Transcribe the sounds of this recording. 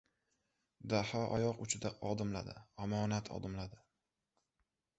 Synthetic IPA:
d̪ahɒʔɒjɒqʊt͡ʃʰɪd̪aʔɒd̪ɪmla̰d̪ɪ̰amɒnat̪ʰɒ̰d̪ɪmlad̪ɪ

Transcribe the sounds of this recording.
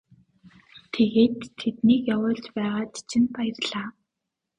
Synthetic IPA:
t̪ʰeɣeːt̪ʰːet̪niːkjawʊːɮt͡ɕpæːʁaːt͡ɕt͡ɕʰɪ̆npajɪrɮaː

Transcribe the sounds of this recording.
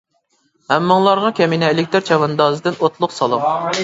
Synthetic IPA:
hɛmːɨŋlˠɑɾʁɑkʲʰɛminɛelɪk̚ʲt̪ɪɾt͡ʃʰɑvɑnd̪ɑːzɨd̪ɪnot̪ʰlˠʊqsɑlˠum

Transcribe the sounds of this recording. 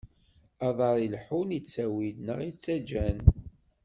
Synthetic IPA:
ɑðˤɑɾˤilħunit͡sːæwilnəʁit͡sːæd͡ʒæn

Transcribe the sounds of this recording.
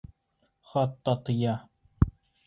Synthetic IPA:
χɑt̪ːɑt̪ɤ̆jɑ

